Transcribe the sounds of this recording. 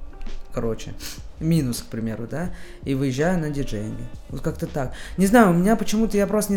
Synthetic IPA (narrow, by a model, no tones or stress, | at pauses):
kɐɾo̞t͡ɕɪ̰mʲinʊsk̚pɾʲɪmʲe̞ɾʊd̪a | ivɨjɪʑːæjʊnədʲɪʐɛjɪnɡʲəvot̪kakt̪ət̪aknʲɪznajʊʊmʲɪnʲapət͡ɕɪmut̪əjapɾost̪ənʲɪ